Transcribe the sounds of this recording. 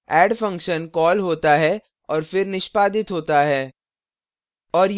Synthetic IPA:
ɛːɖfɐ̃ŋkʃənkɔːlɦoːt̪aɦɛ | ɔːɾfɪɾnɪʃpaːd̪ɪt̪ɦoːt̪aɦɛː | ɔːɾ

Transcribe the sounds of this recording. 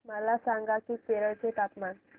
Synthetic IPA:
məlasaŋɡakiːkeɾəɭt͡set̪ap̪man

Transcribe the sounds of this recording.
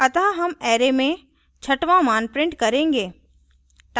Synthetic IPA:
ɐt̪aɦɐmɛːɾemẽ | t͡ʃʰɐʈʋãmaːnpɾɪ̃ɳʈkɐɾẽːŋɡeː | ʈ

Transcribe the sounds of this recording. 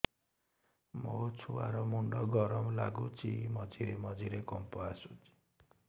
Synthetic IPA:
mot͡ʃʰua̰ɾɔmuɳɖɔɡɔɾɔmɔlaɡut͡ʃʰimɔd͡ʒiɾemɔd͡ʒiɾekɔmpɔasut͡ʃi̥

